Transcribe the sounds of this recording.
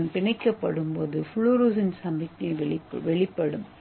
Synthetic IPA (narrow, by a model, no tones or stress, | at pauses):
npɪɳɐɪkːɐpːɐɽɯmpoːðɯfʊɭuɾuːsɪnsɐmbɪkːɐʋɭɪpːʋɛɭɪpːɐɽɯm